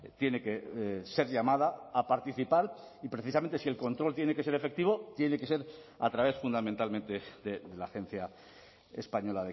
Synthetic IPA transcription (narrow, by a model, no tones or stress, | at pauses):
t̪je̞ne̞ke̞se̞ɾʎamað̞aːpaɾt̪iθipaɾ | ipɾe̞θisament̪e̞sie̞lko̞nt̪ɾo̞lt̪jene̞ke̞se̞ɾe̞fe̞k̚t̪iβo̞t̪je̞neke̞se̞ɾ | a̰t̪ɾaβ̞e̞sfund̪ament̪almẽnt̪e̞ðeðelaxẽ̞n̟θja | espaɲo̞laðe